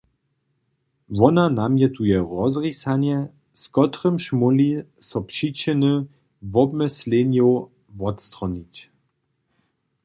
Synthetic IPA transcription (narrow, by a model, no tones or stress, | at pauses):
vɔnanamjɛt̪ujɛʁɔzʁisanjɛ | skɔt̪ʁəmʃmɔlisɔpʂit͡ɕɛnə | vɔbməslɛnjo | vɔtst̪ʁɔnit͡ɕ